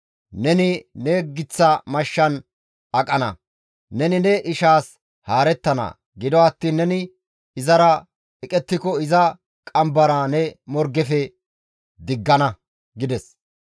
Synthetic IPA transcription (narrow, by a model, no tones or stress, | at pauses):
nɛnɪnɛɡɪt͡sːɐmɐʃːɐn | ɐkʼɐnɐ̰ | nɛnɪnɛʔɪʃaːs | haːɾɛt̪ːɐnɐ̰ | ɡɪd̪ɔɐt̪ːiːnːɛnɪ | ɪzɐɾɐ | ɛkʼɛt̪ːɪkɔɪzɐ | kʼɐmbɐɾanɛmɔɾɡɛfɛ | d̪ɪɡːɐnɐ | ɡɪd̪ɛs